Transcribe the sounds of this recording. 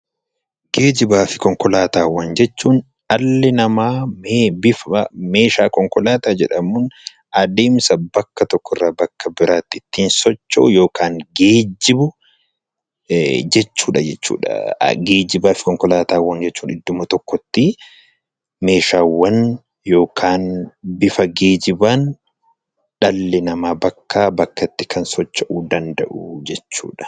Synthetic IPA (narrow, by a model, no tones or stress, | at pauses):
ɡ̥eːd͡ʒɪbaːfɪ̥kɔŋkɔlaːt̪aːwːɐnd͡ʒɛt͡ʃːuːn | ɐlːɛnɐmaːmbɪfme̞ːʃaːkɔŋkɔlaːt̪aːd͡ʒɛᶑɐmʊn | ɐd̪eːmsɐbɐkːɐt̪ɔkːɔɪrːaːbɐkːɐbɪɾaːt̪ːɪɪt̪ːiːnsɔt͡ʃːo̰ːjo̞ːkʰaːŋɡeːd͡ʒɪbʊ | d͡ʒɛt͡ʃːuːᶑɐd͡ʒɛt͡ʃːṵːᶑɐ̰ɡeːd͡ʒɪbaːfɪ̥kɔŋkɔlaːt̪aːwːɐnd͡ʒɛt͡ʃːuːnɪd̪ːʊmɐt̪ɔkːɔt̪ːɪ | me̞ːʃaːwːɐn | jo̞ːkʰaːnbɪfɐɡe̞ːd͡ʒɪbaːn | ᶑɐlːɪnɐmaːbɐkːaːbɐkːɐt̪ːɪkʰɐnsɔt͡ʃːɐʔuːd̪ɐnd̪ɐʔʊd͡ʒɛt͡ʃːṵːᶑɐ̥